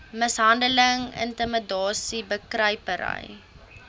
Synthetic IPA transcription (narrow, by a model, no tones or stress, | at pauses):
məsɦɐndələŋə̰ntəmədɑːsibəkrəjpəɾə̰j